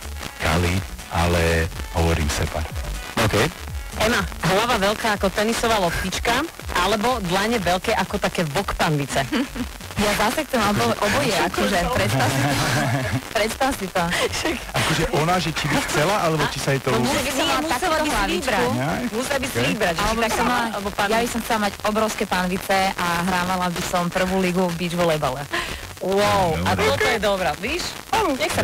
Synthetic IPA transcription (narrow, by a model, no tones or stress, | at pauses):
ka̰lḭa̰lɛɦɔʋɔ̰ɾḭːmsɛ̰pa̰ɔkɛj | ɛmaɦlaʋaʋɛlkaːakɔt̪ɛnisɔʋaːlɔptit͡ʃka | ʔalɛbɔd̪laɲɛʋɛlkɛːʔakɔt̪akɛːʋɔkpanlit͡sɛ | jazasɛk̚t̪ɔmabɔʔɔbɔjɛakɔʒɛpɾɛsasiɔpɾɛt̪st̪asit̪ɔʃakakɔʒɛʔʔɔnaʒɛt͡ʃibixt͡sɛlaʔalɛbɔt͡ʃisaɛt̪ɔɔmusabisamalaakut̪ɔɦlaʋit͡ʃbɾaumusiabisʋibɾaalɛbɔt̪aksɔmalalɛbɔjabisɔmxt͡sɛlamaɟɔbɾɔʊskɛpanʋit͡sɛʔaɦɾaːʋalabisɔmpr̩ʋuːliɡuvbiːd͡ʒʋlɛbalɛ | wɔʊaɔt̪ɔjɛd̪ɔbɾɛʋiʃ | aɲɛsa